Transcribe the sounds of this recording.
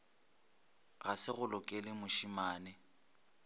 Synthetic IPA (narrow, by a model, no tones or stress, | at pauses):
ɣasɪɣʊlʊkʼelɪmʊʃimaːnɪ